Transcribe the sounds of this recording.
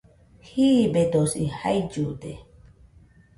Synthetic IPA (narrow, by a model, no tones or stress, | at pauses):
hibed̪osiha̰jd͡ʒud̪ḛ